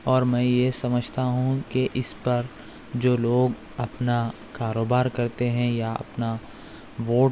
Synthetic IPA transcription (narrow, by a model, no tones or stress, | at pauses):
ɔːɾmɛ̃ːjesɐməd͡ʒʱt̪aɦũkeʔɪspɐɾ | d͡ʒoːloːɡ | ɐpna | kaːɾoːbaːɾkɐɾt̪eɦɛ̃jaɐ̰pna | ʋoːʈ